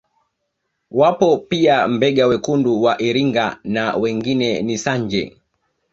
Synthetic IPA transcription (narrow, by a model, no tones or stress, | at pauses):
wapɔpiam̩bɛɠawɛkunduwaʔiɾiŋɡanawɛŋɡinɛnisaɲd͡ʒɛ̰